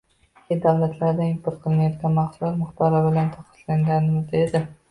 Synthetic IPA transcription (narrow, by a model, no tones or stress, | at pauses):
kʲed̪awlat̪ʰlaɾd̪aɪmpʰʊɾqʰɨlˠɪnajɒt̪̚ɡʲanmaqsʊalmʊχbaɾɒbɪlant̪ʰɒqʰɨ̥t̪laŋɡʲanɪmɪzd̪ed̪ɪ